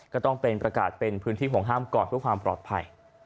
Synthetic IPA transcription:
kɔː˥˩t̪ɔ˥˩ŋpe˧npɾa˧ka̰ː˨˩t̪̚pe˧npʰɯ˦˥nt̪ʰiː˥˩ɦo˩˦ŋɦaː˥˩mkɔː˨˩npʰɯ˥˩əkwaː˧mpɾɔː˨˩t̪̚pʰa̰˧j

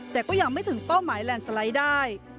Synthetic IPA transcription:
t̪ɛː˨˩kɔː˥˩jaː˧k̚ma˥˩jt̪ʰɯ˨˩˦ŋpa˥˩wmaː˩˦jlɛː˧nsa˧la˦˥jdaː˥˩j

